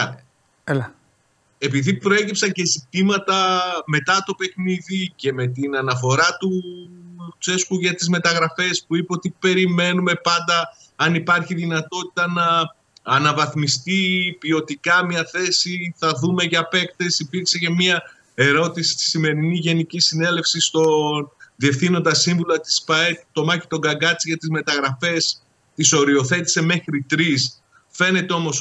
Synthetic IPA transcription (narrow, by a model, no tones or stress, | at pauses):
l | e̞piðipɾo̞e̞cipsɐɲce̞sip̚t̪imɐt̪ɐme̞t̪ɐt̪o̞pe̞xniðice̞me̞t̪inɐnɐfo̞ɾɐt̪u | t͡se̞skuʝɐt̪izme̞t̪ɐɣɾɐfe̞spuipeot̪ipe̞ɾime̞nume̞pɐnd̪ɐ | ɐnipɐɾçiðinɐt̪o̞t̪i̥t̪ɐnɐː | nɐvɐθmist̪ipio̞t̪ikɐmiɐθe̞siθɐðume̞ʝɐpe̞kt̪e̞sipiɾkse̞ce̞miɐ | e̞ɾo̞t̪isi̥t̪i̥sime̞ɾiniʝe̞nicisine̞le̞fsist̪o̞nðie̞fθinot̪ɐsiɱvulɐt̪i̥spɐet̪o̞mɐçi̥t̪o̞ɡɐɡɐt͡siʝɐt̪izme̞t̪ɐɣɾɐfe̞s | t̪iso̞ɾio̞θe̞t̪i̥se̞me̞xɾit̪ɾis | fe̞ne̞t̪e̞o̞mo̞s